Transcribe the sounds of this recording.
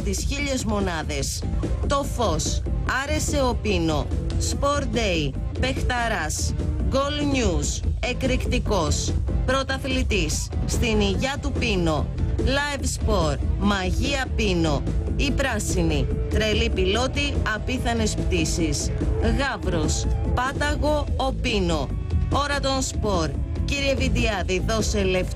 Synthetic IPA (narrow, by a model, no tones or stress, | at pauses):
t̪isçiʎe̞zmo̞nɐðe̞st̪o̞fo̞sɐɾe̞se̞o̞pino̞spo̞ɾd̪ei | pe̞xt̪ɐɾɐsɡo̞lɲuse̞kɾikt̪iko̞spɾo̞t̪ɐθlit̪isːt̪iniʝɐt̪upino̞lɐjvspo̞ɾmɐʝiɐpino̞ipɾɐsinit̪ɾe̞lipilo̞t̪iɐpiθɐnespt̪isisɣɐvɾospɐt̪ɐɣo̞opino̞ | oɾɐt̪o̞nspo̞ɾ | ciɾie̞vid̪iɐðiðo̞se̞lef